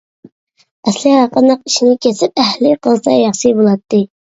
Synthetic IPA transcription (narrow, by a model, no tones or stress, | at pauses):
ɛslɪhɑqənːəq̚i̥ʃinɪkʲʰɛsɪp̚æhlɪqʰəlˠsɑjɑχʃɨbolˠɑt̪ːɨ